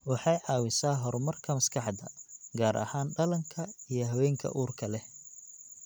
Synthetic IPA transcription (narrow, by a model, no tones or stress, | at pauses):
wɑħɑjʕɑːwɪsaːɦɔrmɐrkʰɐmɐskʰɑħd̪ɐ̰ɡaːɾʔɐ̰haːnɖɐlɐŋkʰɐijɞɦɐwɛːŋkʰɐ̰ʔuːrkʰɐlɛ